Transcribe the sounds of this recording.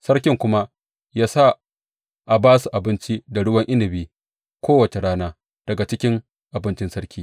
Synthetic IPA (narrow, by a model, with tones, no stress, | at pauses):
sɐ˦ɽkʲɪ˨ŋkʷʊ˦ma˦ | jaː˦sa˦˨ | ʔa˨baː˦su˨ʔa˨bɪ˦nt͡ʃi˦da˨ɽʊ˦wɐ˦ŋʔɪ˦nɪ˨biː˦ | kʷoː˦wɐ˨t͡ʃe˨ɽaː˦naː˦ | d̥ɐ˨ɡa˨t͡ʃɪ˦kʲɪ˦ŋ | ʔa˨bɪ˦nt͡ʃɪ˦nsɐ˦ɽkʲiː˦